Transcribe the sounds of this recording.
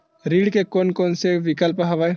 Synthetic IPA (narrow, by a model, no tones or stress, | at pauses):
ɾiːɽkekoːnkoːnseʋɪkəlpɦɐʋae